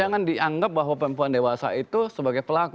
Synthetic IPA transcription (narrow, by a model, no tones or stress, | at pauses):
aŋandiʔaŋɡap̚baɦwapəmpuandewasa̰it̪usəbaɡajpəlaku